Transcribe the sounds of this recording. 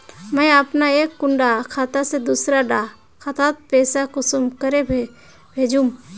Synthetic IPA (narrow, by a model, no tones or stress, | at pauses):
mə̃jəpnaeːkːʊ̃ɳɖakʰaːt̪ased̪uːsɾaɖa | kʰat̪at̪̚pɛːsakosʊmkəɾe | bʱeːd͡ʒũm